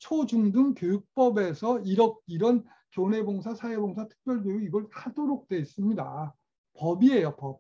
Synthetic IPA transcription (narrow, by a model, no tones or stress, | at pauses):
t͡ɕʰod͡ʑuŋdɯŋkjojuk̚p͈ʌbe̞sʰʌiɾʌk̚iɾʌn | kjone̞boŋs̬ʰasʰaeboŋsʰatʰɯ̥k̚p͈jʌɭbjojuiɡʌɭkʰadoɾok̚t͈weis͈ɯmɲida | pʌbiejʌpʌp̚